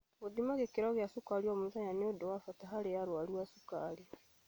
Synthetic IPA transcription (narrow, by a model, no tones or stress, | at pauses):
ɣoðimaɣekeɾɔɣjasukaɾiwamuzaɲaneodowafataɦaɾejaɾwaɾuasukaɾi